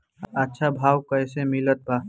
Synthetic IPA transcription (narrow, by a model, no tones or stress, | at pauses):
ɐtːʃʰabʱaːwkɐjsemɪlət̪̚baː